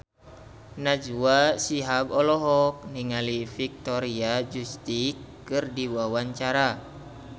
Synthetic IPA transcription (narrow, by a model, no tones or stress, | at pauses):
nad͡ʒuasiɦaɡɔlɔɦɔk̚niŋalifik̚t̪ɔɾiad͡ʒust̪ikː | ɨrdiwawaɲt͡ʃaɾa